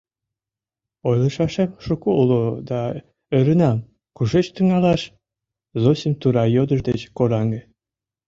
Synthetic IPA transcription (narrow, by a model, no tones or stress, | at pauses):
ojlˠə̆ʃɑʃemʃukoulod̪ɑ | øɾənɑm | kuʒet͡ɕt̪yŋɑlɑʃ | zosʲəmt̪uɾɑjod̪əʃd̪et͡ɕkoɾɑŋɡĕ